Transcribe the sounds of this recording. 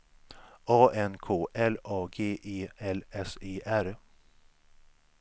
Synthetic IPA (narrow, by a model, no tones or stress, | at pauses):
ɑːʔɛnkʰoːʔɛlɑːɡeːʔeːɛlɛseːʔæɾ